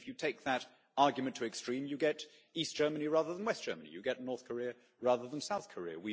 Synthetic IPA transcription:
fjɨtʰeɪk̚ðəɾ | ɑɹɡjɨmɨ̃ntʰəɨkstɹ̥ĩmjɨɡɛɾ | isd̥ʒ̥ɜ˞məniɹæðə˞ðə̃n̩wɛsd̥ɜ̰˞mənḭjɨɡɛtⁿnɔɹθkʰə˞iə | ɹæðə˞ðə̃nsaʊθkʰə˞ḭə̰wi

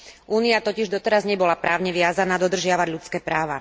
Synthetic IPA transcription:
ʔuːniat̪ɔciʒd̪ɔt̪ɛɾazɲɛbɔlapɾaːʊɲɛʋɪazanaːd̪ɔd̪r̩ʒɪaʋaɟʎut͡skɛːpɾaːʋa

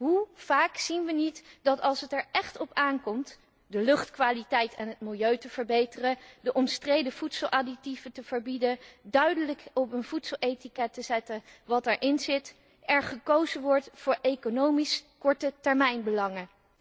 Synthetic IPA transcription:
ɦuv̥aːksinʋənitdɑtɑlˠsətɛɹɛχtɔpaːnkɔmt | dəlɵχtkʋaːlitɛjtɛnɦət̚mɪlˠjøɥtəv̥əɹbejtərədəʔɔmstrejdəv̥utsəl̩ˠʔaditivətəv̥əɹbidədœɥdələkɔpənv̥utsəlˠʔejtikɛtəzɛtəʋɑtɛɹʔɪnzɪt | ɛɹχəkowzəʋɔɹtfʊːɹejkonowmiskɔɹtətɛɹmɛjnbəlɑŋə

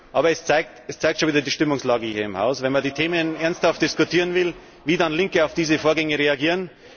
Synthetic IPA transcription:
ʔɑːbɐɛst͡saɪk̚tɛst͡saɪk̚tʃonviːdɐdiːʃtɪmʊŋslɑːɡəhiːɐɪmha̰ʊsvɛnmɐdiːtʰeːmənʔɛɐnsthaft̚d̥ɪskʊtʰiːʁənvɪl | viːdɑnlɪŋkəaʊfd̥iːzəfoːɐɡɛŋəʁeaɡiːʁən

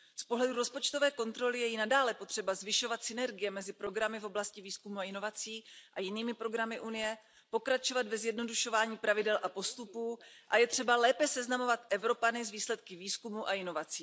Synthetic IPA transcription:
spo̞ɦlɛduɾo̞spo̞t͡ʃt̪o̞vɛːko̞nt̪ɾo̞lɪjɛjɪnadaːlɛpo̞t̪r̝̥ɛbazvɪʃo̞vat̪sɪnɛɾɡɪjɛmɛzɪpɾo̞ɡɾamɪfo̞blascɪviːskumuaɪno̞vat͡siːʔajɪniːmɪpɾo̞ɡɾamɪʔunɪjɛ | po̞kɾat͡ʃo̞vad̪vɛzjɛdno̞duʃo̞vaːɲiːpɾavɪdɛlʔapo̞st̪upuːʔajɛt̪r̝̥ɛbalɛːpɛsɛznamo̞vat̪ʔɛvɾo̞panɪzviːslɛt̪̚kɪviːskumuʔaɪno̞vat͡siː

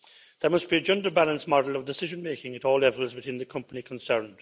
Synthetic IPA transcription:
ðə˞mʌsb̥iəd͡ʒʌ̃ndə˞balə̃nsmɔdəl̩ˠʌvdɪsɪʒə̃nmeɪkɪ̃ŋəɾɔːlɛvəlˠzwɨθɪ̃nðəkʰʌ̃mpənikʰə̃nsɜ̃˞nd̥

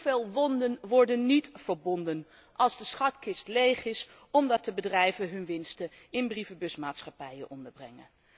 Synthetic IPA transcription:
veːlˠʋɔndənʋɔɹdənːitfəɹbɔndən | ʔɑlˠzdəsχɑtkɪstlejχɪs | ɔmdɑt̚dəbədrɛjvəɦɵnʋɪnstə | ɪnbrivəbɵsmaːtsχɑpɛjənʔɔndəɹbrɛŋə̰n

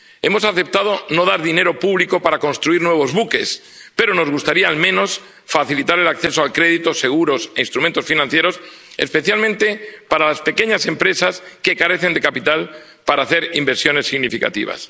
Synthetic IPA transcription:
e̞mo̞saθe̞p̚t̪að̞o̞no̞ð̞aɾðine̞ɾo̞puβliko̞paɾako̞nst̪ɾuiɾnwe̞β̞o̞zβuke̞s | pe̞ɾo̞no̞zɣust̪aɾiaːlmẽ̞no̞s | faθilit̪aɾe̞lakθe̞soalkɾe̞ðit̪o̞se̞ɣ̞uɾo̞seinst̪ɾument̪o̞sfinãnθje̞ɾo̞se̞̰spe̞θjalmẽnt̪e̞paɾalaspe̞ke̞ɲase̞mpɾe̞saske̞kaɾe̞θe̞nd̪e̞kapit̪al | paɾaːθe̞ɾimbe̞ɾsjo̞ne̞sːiɣnifika̰t̪ḭβa̰s

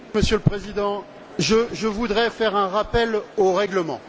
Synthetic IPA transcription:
məsjələpχezid̪ɑ̃ | ʒəʒəvud̪ʁɛfɛʁɛ̃ʁapɛloʁɛɡləmɑ̰̃

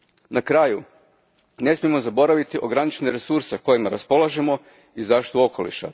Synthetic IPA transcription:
nakɾaːju | ne̞smijemo̞zabo̞ɾaʋit̪iʔo̞ɡɾanit͡ʃneɾe̞suɾseko̞jimaɾaspo̞lˠaʒemo̞ | izaːʃi̥t̪uo̞ko̞lḭʃa̰

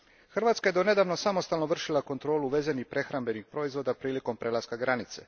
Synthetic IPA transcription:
xr̩ʋat̪skajed̪o̞ne̞d̪aːʋno̞samost̪alˠnoʋr̩ʃilˠako̞nt̪ɾo̞ːluʋe̞zenipɾʔe̞xɾambe̞nixpɾo̞izʋo̞d̪apɾiːliko̞mpɾelˠaskaɡɾanit̪sḛ

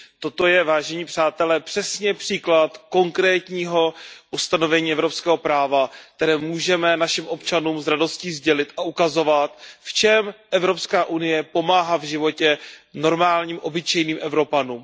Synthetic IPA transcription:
t̪o̞t̪o̞jɛvaːʒɛɲiːpr̝̥aːt̪ɛlɛːpr̝̥ɛsɲɛpr̥iːklat̪ko̞ŋkɾɛːt̪ɲiːɦo̞ʔust̪ano̞vɛɲiːɛvɾo̞pskɛːɦo̞pɾaːvak̚t̪ɛɾɛːmuːʒɛmɛnaʃɪmʔo̞pt͡ʃanuːmzɾado̞sciːzɟɛlɪt̪ʔaʔukazo̞vat̪ft͡ʃɛmʔɛvɾo̞pskaːʔunɪjɛpo̞maːɦavʒɪvo̞cɛno̞ɾmaːlɲiːmʔo̞bɪt͡ʃɛjniːmʔɛvɾo̞panuːm

